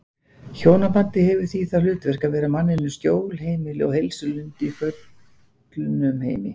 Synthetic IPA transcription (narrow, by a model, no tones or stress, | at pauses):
çoːwnapant̪ɪhɛvʏ̥θiθalʏːt̪vɛr̥kavɛːɾamanːɪnʏsc̪joːwlhejmɪlɪɔ̰whejlsʏlʏnt̪ɪifœt̪ | lʏnʏmhḛːjmɪ̰